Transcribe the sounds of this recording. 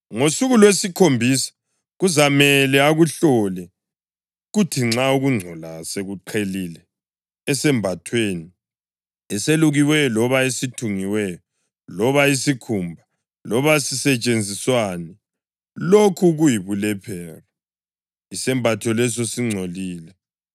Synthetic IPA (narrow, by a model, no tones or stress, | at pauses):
ŋosuɣulwesikʰombʱisḁ | ɣuzamɛlɛaɣuɬɔlɛ | ɣutʰiŋ͡ǁauɣuŋ͡ǀʱɔlaseɣuǃʰelilɛː | sɛmbʱatʰweːni | ɛseluɣiwɛɔlɔβaesitʰuŋiwɛjɔ | lɔβaisikʰumbʱa | lɔβasisɛt͡ʃʼend͡zʱiswanɛ | lokʰuɣujiβulɛpʰɛːra | isɛmbʱatʰɔlɛs̬ɔsiŋ͡ǀʱoliːlɛ